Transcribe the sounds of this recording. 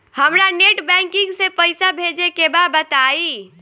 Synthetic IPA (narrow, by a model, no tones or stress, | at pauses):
həmɾaneʈbɛ̃ŋkĩŋɡsẽpəjsabʱed͡ʒekebabət̪ai